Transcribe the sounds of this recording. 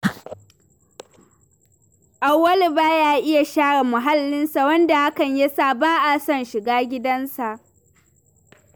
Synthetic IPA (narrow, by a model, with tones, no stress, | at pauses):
ʔa˨wːɐ˦li˨baː˦jaː˦ʔɪ˦ja˨ʃaː˦ɽa˨mʊ˨ɦa˦lːɪ˦nsa˨wɐ˦nda˨ha˦kɐ˨ɲja˦saː˦˨baː˦ʔa˨sɐ˦nʃɪ˨ɡaː˦ɡʲɪ˦dɐ˦nsa˨ʔ